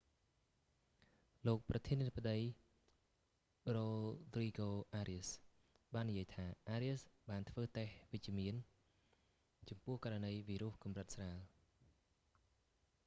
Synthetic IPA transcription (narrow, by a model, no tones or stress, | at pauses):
loːk̚prɑt̪ʰiəniːt̪ʰə̆p̚ːəɗəj | roːd̪riːɡoːʔaːɾiəs | ɓaːnːijiəjt̪ʰaːʔaːɾiəsɓaːnt̪ʰʋəːt̪ehʋɨc̚t͡ɕiəmiən | t͡ɕɑmpʊ̆əhkaːɾanəjʋiːɾuəhkumrət̪̚sraːl